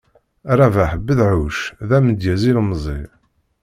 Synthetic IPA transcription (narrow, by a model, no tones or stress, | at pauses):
ɾˤavæħəbːəðʕuʃðæməd̪jæzilmzˤḭ